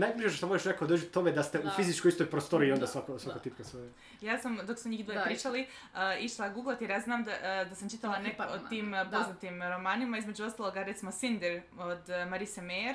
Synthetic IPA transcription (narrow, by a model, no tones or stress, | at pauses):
najbiʒeʃt̪amoʒeʃnekod̪r̩ʒit̪t̪omed̪ast̪eʔufizit͡ʃkoist̪ojpɾost̪o̞ɾio̞nd̪asʋakosʋakot̪ip̚kasoe | jaːsamd̪o̞ksmuɲiːd̪ʋoepɾiːt͡ʃali | əːiʃlˠaɡuɡlat̪eɾjaːznaːmd̪ad̪asamt͡ʃit̪alanekot̪iːmpoznat̪imɾo̞maːnimaizme̞d͡ʒuo̞st̪alˠoɡaɾet̪simosind̪eɾ | od̪maɾisemeɾ